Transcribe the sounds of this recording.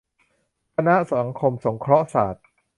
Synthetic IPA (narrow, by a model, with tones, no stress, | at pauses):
kʰa˧na˦˥ʔsa˩˦ŋkʰo˧mso˩˦ŋkʰɾɔ˦˥sa̰ː˨˩t̪̚